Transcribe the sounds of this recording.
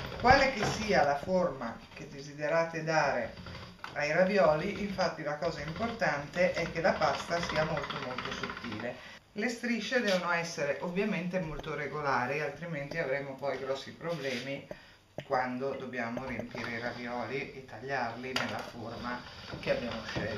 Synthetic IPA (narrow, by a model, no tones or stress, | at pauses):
kwaːlek̟esːiːalaforma | k̟ed̪ːezid̪eɾaːt̪ed̪aːɾe | ajɾabjɔːliʔiɱfat̪ːilakɔːzaimport̪ant̪eʔɛk̟ːelapast̪asiːamolt̪omolt̪osut̪ːḭːle | lest̪ɾiʃːed̪ɛːvonoɛsːeɾeʔovːjament̪emolt̪oreɡolaːɾialt̪ɾiment̪iavɾemopɔjɡɾɔsːipɾoblɛːmi | kwand̪od̪objaːmoɾiempiːɾeirabjɔːliʔet̪ːaʎːarlinelːa̰formakeabːjaːmoʃɛ̰l